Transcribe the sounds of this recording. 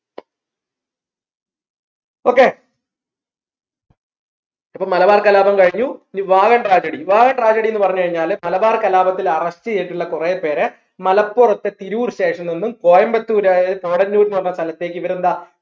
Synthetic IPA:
o̞ːkːe̞ː | ipːoːlmɐlɐbaːrkɐlaːbɐmkɐɻiɲːunʋaːɣɐɳʈraːd͡ʑɐɽiʋaːɣɐɳʈraːd͡ʑɐɽije̞nːɨpɐrɐɲːukɐɻiɲːaːlmɐlɐbaːrkɐlaːbɐt̪ːilɐrɐɕtɨeːjiʈːuɭːɐkureːpːe̞ːɾe | mɐlɐpːurɐt̪ːet̪iɾuuːɾɕe̞ːʂɐmninːumko̞ːjɐmbɐt̪ːuːɾaːjpoːɽɐnːuːɾnʋɐrnːɐst̪ʰɐlɐt̪ːe̞ːk̬ːiʋɐɾund̪aː

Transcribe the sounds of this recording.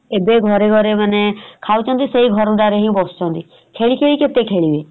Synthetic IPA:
ebeɡʱɔɾeɡʱɔɾemanekʰawt͡ʃʰɔnt̪iseiɡʱɔɾuɖaɾeɦĩbɔst͡ʃɔnt̪i | kʰeɭikʰeɭiket̪ekʰeɭibe

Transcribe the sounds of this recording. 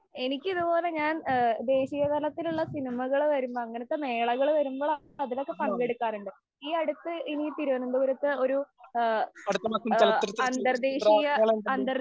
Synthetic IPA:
e̞nikʲːɨiðupo̞ːle̞ɲaːnd̪e̞ːɕijɐt̪ɐlɐt̪ːiluɭːɐsinimɐɣɐɭʋɐɾumboːɐŋːɐnɐt̪ːeme̞ːɭɐɣɐɭʋɐɾumboːɭɐ | ɐðino̞kːe̞pɐŋɡe̞ɽukːaːnuɳɖɨ | iːɐɽut̪ːɨinit̪iɾuʋɐnund̪uʋɐɾɐt̪ːɨo̞ɾu | ɐɽut̪ːɐmɐkːɐɐlːɐɾt̪ːɐnd̪ɐrd̪eːɕijɐɐnd̪ɐr

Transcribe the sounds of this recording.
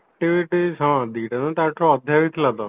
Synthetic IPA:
k̚ʈiʋiʈizɦãd̪iʈanãt̪jat͡soːd̪ʱjaʋit̪lat̪a

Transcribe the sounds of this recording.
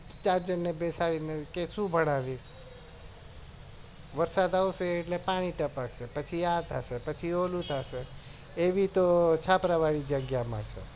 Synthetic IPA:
t͡ʃaɾd͡ʒənːebesaɭinekeʃũbʱəɽ̃aʋiʃ | ʋəɾsad̪awseːʈlepaɽ̃iʈəpaksepət͡ʃʰijat̪ʰasepət͡ʃʰiolũt̪ʰase | eʋit̪ot͡ʃʰapɾaʋaɽid͡ʒəɡjamã̰t͡ʃʰḛ

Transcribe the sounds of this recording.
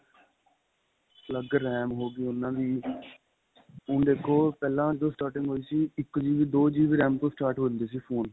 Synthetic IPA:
pləɡɾːɛːmɦoːɡiːʊnãːd̪iː | ʊ̃ɳɖeːkʰːoːpɛːlãːd͡ʒɪd̪õːsʈaːɾʈɪ̃ŋɡɦoːiːsiːɪkːd͡ʒiːʋiːd̪oːd͡ʒiːʋiːɾɛːmt̪õːsʈaːɾʈɦond̪eːsiːpʰoːn

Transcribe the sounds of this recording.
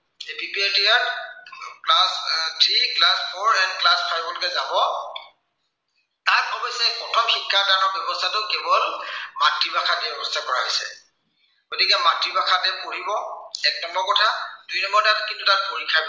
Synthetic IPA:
epipieltija | klastʰɹiklaspʰɔɹɛndklaspʰajbɔlokɛzabɔ | takɔbɔjsɛpɔtʰɔmxikʰːadaɹnɔɹbjɔbɔstʰatʊkebɔlmatɹibakʰatɛbɛbɔstʰakɔɹaɦojsɛ̰ | ɡ̥otikɛmatɹibakʰatɛpoɹibɔɛk̚tɔmbɔɹkɔtʰad̥ujnɔmbɔɹtatkintutat̚poɹikʰajb

